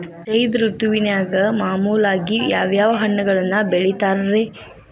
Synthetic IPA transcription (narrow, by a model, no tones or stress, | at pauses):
t͡ʃɐjd̪ɾut̪uʋinjaːɡɐmaːmuːlaːɡijaːʋjaːʋɐɦɐɳːɐɡɐɭɐnːɐbeɭit̪aːɾɐɾe